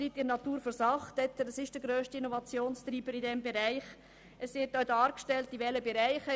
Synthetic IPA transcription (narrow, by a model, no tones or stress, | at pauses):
ɾitɪnɑtuːɾfəɾsɑχtɛt̪ːədəsɪʃd̥əɾɡɾøːʃtiinɔvɑt͡sjoːnst̪ɾiːbəɾidɛmbeɾæɪχ | ɛsʋɪt̚ːɔdɑːɾkʃtɛltiʋɛləbeɾaɪχə